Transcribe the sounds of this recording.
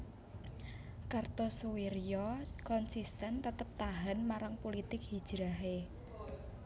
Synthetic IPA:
kart̪ɔsowiɾjɔkɔnsist̪ɛnt̪ət̪əp̚t̪aɦanmaɾaŋpolit̪ɪkhid̥ʒ̥ɾaɦe

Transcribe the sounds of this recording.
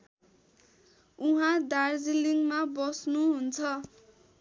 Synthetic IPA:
uɦãd̪ard͡ziliŋmabʌsnuɦunt͡sʰʌ

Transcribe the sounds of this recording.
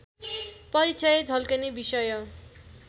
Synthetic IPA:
pʌɾit͡sʌjed͡zʱʌlkʌnebisʌjʌ

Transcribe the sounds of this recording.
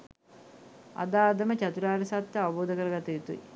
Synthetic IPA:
a̰d̪aːd̪ɐmət͡ɕat̪uɾaːɾɐsat̪jəaʋɐboːd̪əkəɾəɡat̪ɐjut̪uḭ

